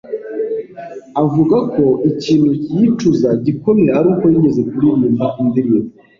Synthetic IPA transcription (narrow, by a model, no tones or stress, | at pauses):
avuɡako̞iciːn̤hucijituzaɟikomeɾaaɾuːko̞jiɟe̞ze̞kuɾiɲimaʔimbiɾi